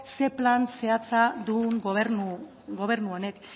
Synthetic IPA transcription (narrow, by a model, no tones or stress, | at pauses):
se̞planse̞at͡sad̪uŋɡoβenu | ɡo̞β̞e̞ɾnuo̞ne̞k